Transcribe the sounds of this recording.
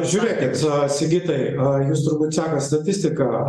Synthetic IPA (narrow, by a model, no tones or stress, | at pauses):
ʒʲuɾʲeːkʲɪt̪sʲɪɡʲiːt̪ɐɪjust̪ʊɾbuːt̪ʲsʲæːkɐst̪ɐt̪ʲɪsʲt̪ʲɪkɐ